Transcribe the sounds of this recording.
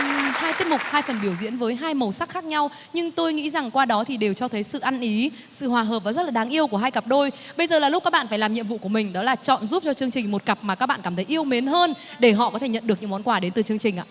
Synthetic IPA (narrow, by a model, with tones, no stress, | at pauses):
haː˧jt̪i˦˥əmʊ˨˩k͡p̚haː˧jfə˨˩nɓi˧˩əwzḭ˧˥ənvəː˨˦jɦaː˧jmə˨˩wsa˦˥k̚xa˦˥k̚ɲa˧w | ɲɨ˧ŋt̪o˧jŋḭ˧˥za˨˩ŋkwaː˧ɗɔ˨˦t̪ʰi˨˩ɗe˨˩wt͡ɕɔ˧t̪ʰə˨˦jsɨ̰˧˨ʔa˧nʔi˨˦ | sɨ̰˧˨hwaː˨˩ɦəː˨˩p̚vaː˨˩zə˦˥t̚laː˨˩ɗaː˨˦ŋʔi˧əwku˧˩əɦaː˧jkə˨˩p̚ɗo˧jɓə˧jzəː˨˩laː˨˩lʊ˦˥k͡p̚kaː˦˥ɓa̰ː˧˨nfaː˧˩jlaː˨˩mɲḭ˧əmvṵ˧˨ku˧˩əmï˨˩ŋ̟ɗɔ˨˦laː˨˩t͡ɕɔ̰˧˨nzu˦˥p̚t͡ɕɔ˧t͡ɕɨ˧əŋt͡ɕï˨˩ŋ̟mo˨˩t̚kə˨˩p̚maː˨˩kaː˦˥k̚ɓ̰aː˧˨nkaː˧˩mt̪ʰə˨˦jʔi˧əwme˨˦nɦəː˧nɗe˧˩ɦɔ̰˧˨kɔ˨˦t̪ʰe˧˩ɲə̰˧˨nɗɨ˨˩k̚ɲɨ̰˧˥ŋ͡mmɔ˨˦nkwaː˧˩ɗe˨˦nt̪ɨ˨˩t͡ɕɨ˧əŋt͡ɕï˨˩ŋ̟ʔa̰ː˧˨